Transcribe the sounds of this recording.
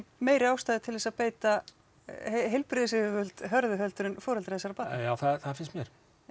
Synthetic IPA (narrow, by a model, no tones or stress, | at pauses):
meːjɾɪaːwst̪aːjðɪt̪ʰɪlðɛsapeːjt̪a | hɦejlpɾɪðʏsɪʏvʏlt̪ɦœɾðʏɦœlt̪ʏɾʏnfɔːɾɛlɾaːðɪsaɾapajaːwθaðθaðfɪnst̪mjɛɾ̥